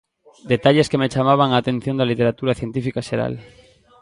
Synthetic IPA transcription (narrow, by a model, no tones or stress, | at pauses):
d̪et̪aʎeskemet͡ʃamaβ̞aŋaːt̪ẽ̞n̟θjo̞nd̪alit̪e̞ɾat̪uɾaθjent̪ifikaʃeɾa̰l